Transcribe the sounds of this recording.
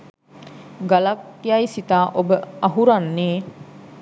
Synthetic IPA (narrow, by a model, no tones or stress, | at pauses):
ɡalakːjajsit̪aːʔobəaɦuɾanːeː